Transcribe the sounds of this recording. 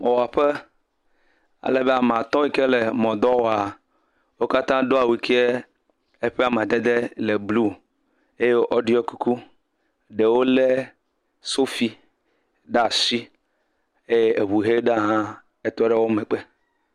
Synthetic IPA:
mɔ̃˨wa˨ɸe˦ | a̰˨le˦be˦a˨m˨ã˨t̪ɔ̃˦wi˦ke˦le˨mɔ̃˨d̪ɔ˦wɔ˨a˨ | wo˦ka˦t̪ã˦ɖo˦a˨wi˨ke˦e˦ | e˦ɸe˦a˨mã˨d̪e˦d̪e˦le˨blu˦ | e˦je˦o˦ʔɔ˦ɖi˦ɔ˦ku˦ku˦ | ɖe˨wo˦le˦ | so˦fi˦ | ɖa˦˨si˦ | e˦je˦e˨βu˨ɦe˦ɖa˦˨ɦã˦ | e˦t̪ɔ˦ɖe˦wo˦me˨k͡pe˦

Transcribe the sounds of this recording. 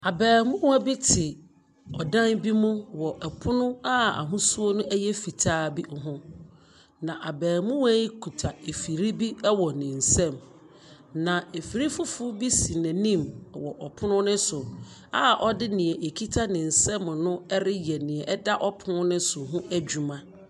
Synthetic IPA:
a˨bɛː˨mʊ̃˦wæ˦bi˦tʰɪ˨ | ɔ˨dã˦nbi˦mũ˦wɔ˨ʔɛ˨pʰʊ˦nʊ̃˦a˦a̰˨ɦʊ̃˦su˦o˦nʊ̃˦ʔæ˦jɛ˦fi˨tʰaː˦bi˦˨ɦʊ̃˦ | nã˨ʔa˨bɛː˨mʊ̃˦wæ˦i˦kʰu˨tʰa˨e˨fi˨ɾi˦bi˦ɛ˦wɔ˨nɪ̃˨n̩˨sɛ̃˦˨m | nã˨e˨fi˨ɾi˦fʊ˦fʊ˦bi˦si˨nɛ̃˨nĩ˦˨m˨wɔ˨ʔɔ˨pʰʊ˦nʊ̃˦nɪ̃˦sʊ˨ | a˦ʔɔ˦dɪ˦nɪ̃˨ɛ˨ʔe˨kʰi˦tʰa˦nɪ̃˨n̩˨sɛ̃˦mnʊ̃˦ɛ˦ɾɪ˦jɛ˨nĩ˨ɛ˨ʔɛ˦da˦ʔɔ˦pʰʊ˦nʊ̃˦nɪ̃˦sʊ˨ɦʊ̃˦ʔæ˦d͡ʑu˨mã˦

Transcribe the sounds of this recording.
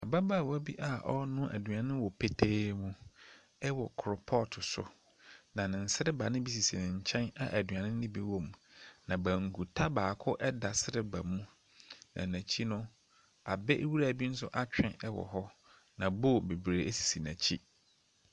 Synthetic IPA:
a˨ba˦baː˦˨wɔ˦bi˦ʔa˨ʔɔ̰˦nʊ̃˦ʔæ̰˨du˨ã˨nɪ̃˦wɔ˨pʰe˦tʰeː˦mũ˦ | ɛ˦wɔ˨kʰɾʊ˨pʰɔ˦tʰʊ˨sʊ̰˨ | nã˨nɪ̃˨n̩˨sɪ˦ɾɪ˦ba˨nɪ̃˦bi˦s̬i˨si˨nɪ̃˨ɲ̩˨t͡ɕʰɛ̃˦na˨ʔæ˨dɥã˨nɪ̃˦ɪ̃˦bi˦wɔ̃˦m˨nã˨bæ˨ŋ̩˨ɡu˨tʰa˦baː˨kʰʊ˦ʔɛ˦da˨sɪ˦ɾɪ˦ba˨mũ˦ | nã̰˨næ̃˨t͡ɕʰi˦nʊ̃˦ | a˨bɛ˦ʔwu˦ɾa˨bi˦n̩˦sʊ̰˦ʔa˦t͡ɕᶣɪ̃˦ɛ˦wɔ̰˨ɦɔ˦ | nã˨bo˦˨be˨bɾe˨ʔe˦si̥˨si˨næ̃˨t͡ɕʰi˦

